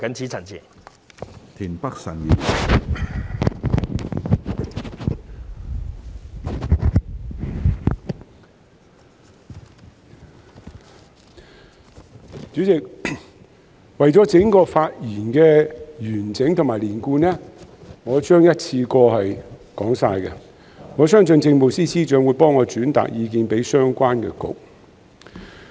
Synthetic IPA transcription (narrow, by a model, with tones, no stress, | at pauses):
kɐ˨˥nt͡sʰiː˨˥t͡sʰɐ˨˩nt͡sʰḭː˨˩n | t̪ʰiː˨˩npɐ˥k̚sɐ˨˩njyː˨˩n˨ | t͡ʃyː˨˥t͡sɪ˨k̚ | wɐ˨jt͡sɔ˨˥t͡sɪ˨˥ŋkɔː˧faː˧t̚jiː˨˩nkɛː˧jyː˨˩nt͡sɪ˨˥ŋt̪ʰʊ˨˩maː˨˩liː˨˩nkuː˧nɛː˥ŋɔː˨˧t͡ʃœː˥ŋjɐ˥t̚t͡sʰiː˧kɔː˧ɦɐ˨jkɔː˨˥ŋsaː˧jkɛ˧ | ŋɔː˨˧sœː˥ŋt͡sɵ˧nt͡sɪ˧ŋmo˨˩wsiː˥siː˥t͡ʃœː˨˥ŋwuː˨˧jpɔː˥ŋːɔː˨˧t͡ʃyː˨˥nt̪a̰ː˨k̚jiː˨˧k̬iː˧npe˨˥jsœː˥ŋkʷaː˥nkɛ̰ː˧kʊ̰˨k̚